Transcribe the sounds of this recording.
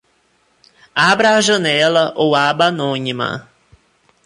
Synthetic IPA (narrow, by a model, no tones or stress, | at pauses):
abɾaːʒɐ̃nɛlɐʔowabanõɲimɐ̰